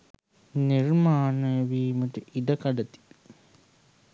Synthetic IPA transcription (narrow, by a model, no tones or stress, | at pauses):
niɾmaːnəʋiːməʈəʔid̪ɐkaɖɐt̪i̥